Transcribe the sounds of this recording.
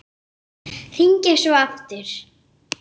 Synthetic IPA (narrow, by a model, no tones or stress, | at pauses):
θiɲcɛsɔaft̪ɪɾ̥